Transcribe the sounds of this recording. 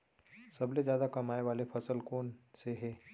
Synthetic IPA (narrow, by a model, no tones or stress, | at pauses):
sɐblezjaːd̪akɐmaːeʋaːlepʰɐsəlkoːnseɦɛː